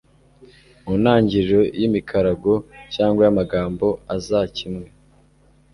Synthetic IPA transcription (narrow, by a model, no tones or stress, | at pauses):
unaːɲɟiɾɾo̞jimikʰaɾaɡo̞caːŋɡwajamaɡaːmbo̞azacimŋe̞